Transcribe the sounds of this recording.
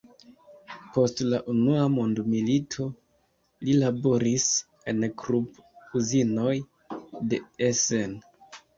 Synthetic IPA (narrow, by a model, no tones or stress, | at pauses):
po̞stlaʔunuamondmilitʰo̞ | lilabo̞ɾis | e̞nkɾupuzino̞j | de̞esen